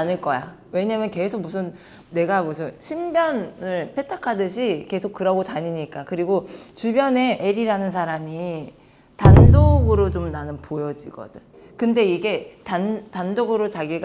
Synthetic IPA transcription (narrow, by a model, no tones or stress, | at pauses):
anɯɭk͈ʌja̰ | we̞ɲamjʌnke̞sʰok̚musʰɯnː | e̞ɡamusʰɯnɕʰimbjʌnɯɭtʰe̞tʰakʰadɯɕʰike̞sʰok͈ːɯɾaɡotaɲiɲik͈akɯɾiɡot͡ɕubjʌne̞ʔeɾiɾanɯns̬ʰaɾami | tandoɡɯɾot͡ɕomnanɯnpojʌd͡ʑiɡʌ̰d̥ɯn | kɯnde̞iɡe̞tantandoɡɯɾot͡ɕaɡiɡ